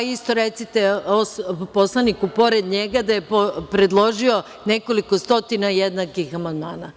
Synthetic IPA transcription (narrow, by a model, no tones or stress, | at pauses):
ist̪o̞ɾet̪sit̪eospo̞slˠanikupo̞ɾed̪ɲeɡad̪ajepopɾe̞d̪lˠo̞ʒio̞ | ne̞ko̞liko̞st̪o̞t̪inajed̪nakixamand̪maːna